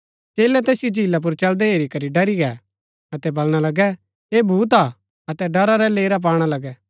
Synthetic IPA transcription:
t͡ʃeːlɛt̪ɛːsɪjod͡ʒiːlap̬ʊɾt͡ʃɐld̪ɛɦeːɾikɐɾiɖɐɾiɡɛ | ɐt̪ɛbɐlɽ̃alɐɡɛ | eːbʱuːt̪̬a | ɐt̪ɛɖɐɾaɾɛleːɾap̬aːɽ̃alɐɡɛː

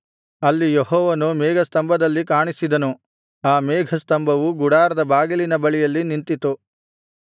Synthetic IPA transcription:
ɐlːijeɦɔːʋɐnumɛːɡʱɐst̪ɐmbʱɐd̪ɐlːikaːɳisid̪ɐnu | aːmeːɡʱɐst̪ɐmbʱɐʋuɡuɽaːɾɐd̪ɐbaːɡilinɐbɐɭijɐlːinint̪it̪u

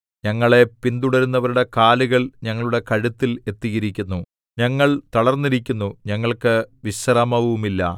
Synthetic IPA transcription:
ɲɐŋːɐɭe̞pind̪uɽɐɾunːɐʋɐɾuɽe̞kaːluɣɐɭɲɐŋːɐɭuɽe̞kɐɻut̪ːile̞t̪ːiɣiɾikʲːunːu | ɲɐŋːɐɭt̪ɐɭɐrnːiɾikʲːunːuɲɐŋːɐɭkɨʋiɕrɐmɐʋɐʋumilːɐ̰

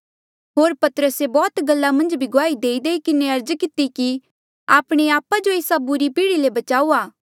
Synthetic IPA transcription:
ɦoːɾpɐt̪əɾəsebɔːt̪ɡɐlːamɐ̃nd͡ʒbʱiɡʊaːid̪eːid̪eːikɪneɐɾd͡ʒkɪt̪iki | aːpɽ̃eaːpad͡ʒoeːsabʊɾipiːɽilebɐt͡ʃaːuːaː

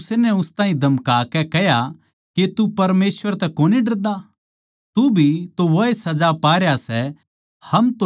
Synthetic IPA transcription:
senɛʊst̪ãːɦĩd̪ʱɐmkaːkɛkɛɦja | ket̪upɐɾmeːsʋəɾt̪ɛkoːniɖɐɾd̪a | t̪ubʱit̪oʋoesɐd͡ʒapaːɾjasɛ | hɐmt̪o

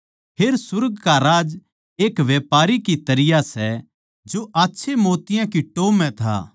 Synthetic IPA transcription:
pʰeːɾsʊɾɡkaɾaːd͡ʒ | eːkʋjeːpaːɾikit̪ɐɾɪjasɛ | d͡ʒoʔaːtːʃʰemoːt̪ɪjãkiʈoːmɛ̃t̪ʰa̰ː

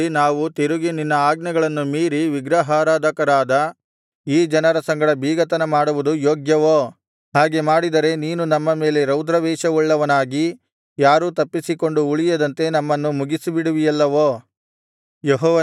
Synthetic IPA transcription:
inaːʋut̪iɾuɡininːɐaːɡnɐɡɐɭɐnːumiːɾiʋiɡɾɐɦaːɾaːd̪ɐkɐɾaːd̪ɐ | iːd͡ʒɐnɐɾɐsɐŋɡɐɽɐbʱiːɡɐt̪ɐnɐmaːɽuʋud̪ujoːɡjɐʋoː | ɦaːɡe̞maːɽid̪ɐɾe̞niːnunɐmːɐme̞ːle̞ɾɐwd̪ɾɐʋɛːʃɐuɭːɐʋɐnaːɡi | jaːɾuːt̪ɐpːisiko̞ɳɖuuɭijɐd̪ɐnt̪e̞nɐmːɐnːumuɡisibiɽuʋijɐlːɐʋoː | jeɦɔːʋɐ

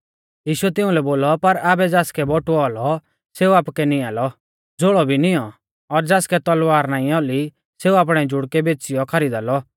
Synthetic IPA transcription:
jiːʃuɛt̪ɪ̃ʊ̃lɛboːlɔpɐɾaːbɛd͡zaːskɛbɔʈuɔːlɔ | seːuaːpkɛnĩaːlɔ | d͡zoːɭɔbʱinɪjɔ | ɔɾd͡zaːskɛt̪ɔlwaːɾnaːĩɔli | seːuaːp̬ɽ̃ɛd͡ʒʊɽkɛbeːt͡sɪjɔkʰɐɾiːd̪aːlɔ

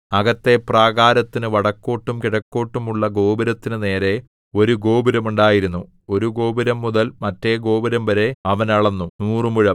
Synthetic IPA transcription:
ɐɣɐt̪ːe̞praːɣaːɾɐt̪ːinɨʋɐɽɐkːo̞ːʈːumkiɽɐkːo̞ːʈːumuɭːɐɡo̞ːbiɾɐt̪ːinɨne̞ːɾe̞ | o̞ɾuɡo̞ːbiɾɐmuɳɖaːjiɾunːu | o̞ɾuɡo̞ːbiɾɐmːuðɐlmɐtːe̞ɡo̞ːbiɾɐmbɐɾe̞ɐʋɐnɐɭɐnːunuːrɨmuɻɐm

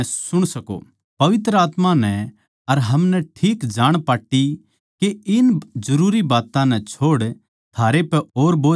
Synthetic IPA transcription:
sʊɽ̃sɐko̰ | pɐʋɪt̪ɾəaːt̪mãnɛ | ɐɾɦɐmnɛʈʰiːkd͡ʒaːɽ̃paːʈːi | keɪnd͡ʒɐɾuːɾibaːt̪ãnɛ̃t͡ʃʰoːɽ | t̪ʰaːɾepɛoːɾboː

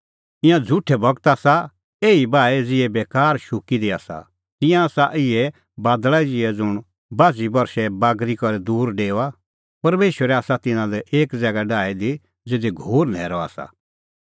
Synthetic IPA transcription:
ɪ̃jãd͡zʱʊʈʰːɛbɐɡt̪aːsa | eːibaːɛd͡zɪɛbeːkaːɾʃʊkid̪iaːsa̰ | t̪ɪ̃jãaːsaʔɪɛ | baːd̪ɭaid͡zɪɛd͡zʊɽ̃ | baːd͡zibɐɾʃɛbaːɡɾikɔɾɛd̪uːɾɖeːoa | pɐɾmeːʃwəɾɛaːsat̪ɪnãlɛʔeːkd͡zɛːɡaɖaːɛd̪i | d͡zeːd̪iɡʱoːɾnɛːɾɔa̰ːsa̰

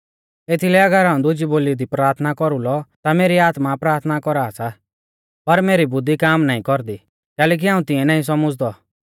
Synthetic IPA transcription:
eːt̪ʰilɛɐɡəɾɦaːũd̪ʊd͡ʒiboːliɔd̪ipɾaːɾt̪ʰnakɔɾulɔt̪ameːɾiaːt̪mapɾaːɾt̪ʰnakɔɾaːsa | pɐɾmeːɾibʊd̪ʱːikaːmnaːĩkɔɾd̪i | kɛːleːk̬iɦaːũt̪ɪ̃ɛ̃naːĩsɔmɔd͡zd̪ɔ

